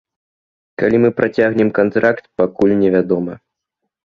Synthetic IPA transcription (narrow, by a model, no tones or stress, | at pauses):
kalʲimɨpɾʔat͡sʲaɣnʲɛmkant̪ɾakt̪pakulʲnʲɛvʲad̪ɔmɐ